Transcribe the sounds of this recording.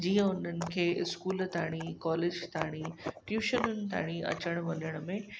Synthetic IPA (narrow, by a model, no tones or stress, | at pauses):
d͡ʑiːə̃ʊn̤ənɪ̆kʰeːɪskuːlt̪aːɽ̃ikɔːleːd͡ʑt̪aːɽ̃iʈjuːʃənʊnɪ̆t̪a̰ːɽ̃iɐ̰t͡ɕəɽ̃ʋɐnəɽ̃mẽ